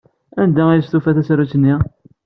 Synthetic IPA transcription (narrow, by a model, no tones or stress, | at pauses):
ænd̪æist̪ufæθæsɾut͡sːnːi